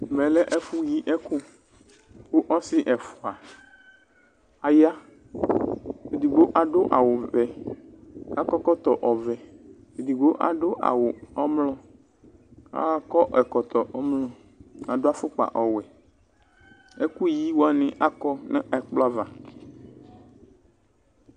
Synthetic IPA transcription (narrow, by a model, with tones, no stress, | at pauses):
mɛ̃˨lɛ˦ʔɛ˦fu˦ji˦ʔɛ˦ku˦ | wo˦ʔɔ˦sɪ˦ʔɛ˨fu˨a˨ | a˨ja˦ | e˨di˨ɡ͡bo˦ʔa˨ɖʊ˦ʔa̰˨wo˨vɛ˨ | a˦kɔ˦kɔ˦t̪ɔ˨ʔɔ˨vɛ˨ | e˨di˨ɡ͡bo˦ʔa̰˨ɖo˦ʔa̰˨wo˨ɔ˦mlɔ˦ | a̰˦kɔ˦ʔɛ˨kɔ˨t̪ɔ˨ʔɔ˦mlɔ˨ | a˨ɖo˦a˦fʊ˦k͡pa̰˨ʔɔ˨wɛ˨ | e˦ku˦ji˦wa˦nĩ˦ʔa˦kɔ˦nɛ˦ɛ˨k͡pla˦va˨